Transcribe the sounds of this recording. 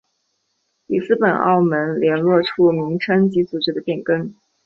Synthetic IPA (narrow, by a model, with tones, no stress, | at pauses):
li˨˩sɹ̩˥pə˨˩nɑ̰˥˩ʊmə˧˥nljɛ˧˥nlwɔ˥˩ʈ͡ʂʰu˥nʊ˧˥ŋʈ͡ʂʰə˥nt͡ɕi˧˥t͡su˨˩ʈ͡ʂɻ̩˧˥d̪ə˧pjɛ˥˩nkə˥ŋ